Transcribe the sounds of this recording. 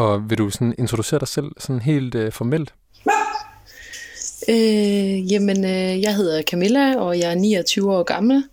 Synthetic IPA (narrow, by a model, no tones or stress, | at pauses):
ɒ̽ʋe̝ɾ̥usɒ̽ne̝nt͡sʰʁo̝d̥use̝̰ɐd̥ɑ̈ɪsel̰sɒ̽nɦe̝̰ːld̥øfɒmel̰d̥ | øjemənøjɑ̈ɪɦe̝ð̞̰ˠɐkʰæmelæɒ̽jɑ̈ɪæɐniːɒt͡sʰyːʊɒ̰ːɡ̥ɑ̈ml̩